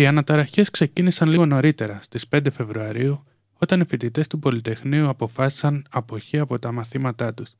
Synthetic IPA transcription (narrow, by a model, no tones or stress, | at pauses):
iɐnɐt̪ɐɾɐçe̞skse̞cinisɐnliɣo̞no̞ɾit̪e̞ɾɐst̪ispe̞nd̪e̞fe̞vɾuɐɾiu | o̞t̪ɐnifit̪it̪e̞st̪upo̞lit̪e̞xniuɐpo̞fɐsi̥sɐnɐpo̞çiɐpo̞t̪ɐmɐθimɐt̪ɐt̪us